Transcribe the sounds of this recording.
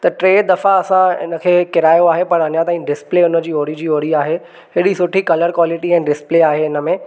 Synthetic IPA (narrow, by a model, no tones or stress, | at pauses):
t̪ɐʈɾeːd̪ɐfaɐsãɪ̰nə̆kʰeːkɪɾaːjoaːɦepɐɾɐɲãt̪aːĩɖɪspleːʊnə̆d͡ʑiːoːɽid͡ʑiːoːɽiaːɦe | ɦɪɽisʊʈʰikɐləɾkwaːlɪʈiɛ̃ːɖɪspleːaːɦeɪnə̆mẽː